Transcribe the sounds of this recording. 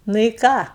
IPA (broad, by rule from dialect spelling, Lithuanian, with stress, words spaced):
ˈnʊ ɪ ˈkɑː